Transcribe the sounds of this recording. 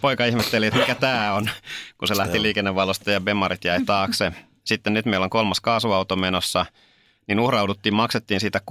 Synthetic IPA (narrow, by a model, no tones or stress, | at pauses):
poikɑihmet̪ːeliet̪mikæt̪æːonkuselæht̪iliːkenːeʋʋɑlost̪ɑjɑbemɑɾit̪jæit̪ɑːkse | sit̪ːennyt̪meilːoŋkolmɑskɑːsuɑut̪omenosːɑ | ninuhrɑuwdut̪ːiːmmɑkset̪ːiːnsiːt̪æk